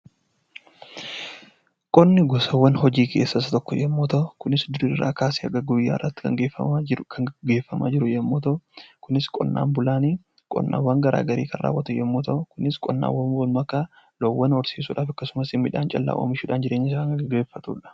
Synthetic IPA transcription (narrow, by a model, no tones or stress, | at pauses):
kʼɔnːɪɡɔsɐwːɐnhɔd͡ʒiːkʰḛːsːɐsɐt̪ɔkːɔjɛmːoːt̪ɐʊkʊnɪsd̪ʊɾirːa̰ːkaːsiːɐɡɐɡʊjːa̰ːrːɐt̪ːɪ̥kɐŋɡeːfɐkʰɐɡe̞ːfːɐmʔa̰ːd͡ʒɪɾʊjɛmːoːt̪ɐʊkʊnɪskʼɔ̰nːa̰ːnbʊlaːniː | kʼɔ̰nːa̰ːwɐŋɡɐɾa̰ːɡɐɾḭːkʰɐnrʔa̰ːwːɐt̪ʊjɛmːoːt̪ɐʔʊkʊnɪskʼɔnːa̰ːwɐnwɐnmɐkːaː | lɔwːɐnɔɾsiːsuːᶑaːfɐkːɐsʊmɐsɪmːɪᶑa̰ːnt͡ʃʼɐlːa̰ːʔo̰ːmɪʃuːᶑaːnd͡ʒɪɾʔe̞ːɲːɪs̬nɐɡɡeːfːɐt̪uːᶑɐ̥